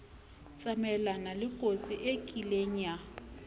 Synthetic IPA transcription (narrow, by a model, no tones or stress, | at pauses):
t͡sʼamɛlanalɪkʼot͡sʼiʔekʼileɲ̩a